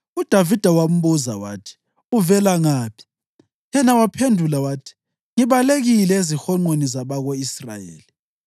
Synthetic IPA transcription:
ud̥ʱavid̥ʱawam̩βuza̰wa̰ːtʰi̥ | uvɛlaŋaːpʰi̥ | jɛnawapʰendʱulawaːtʰi̥ | ŋiβaleɣilɛezixɔŋ͡ǃonizaβaɣoisra̰jḛːli

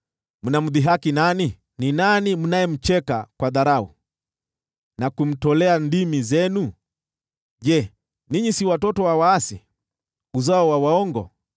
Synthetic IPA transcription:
munam̩ðiɦakinani | ninanimunajɛm̩t͡ʃɛka̰kwaðaɾaṵ | nakum̩tɔlɛandimizɛnu | ʄɛ | niɲisiwatɔtɔwawaːsḭ | uzaɔwawaɔŋɡɔ̰

